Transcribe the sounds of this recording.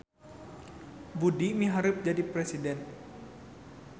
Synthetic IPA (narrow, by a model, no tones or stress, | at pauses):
budimiɦaɾup̚d͡ʒadipɾɛsidɛn